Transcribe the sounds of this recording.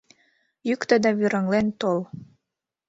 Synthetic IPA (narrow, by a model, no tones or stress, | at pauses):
jykt̪əd̪ɑβyɾəŋlent̪ol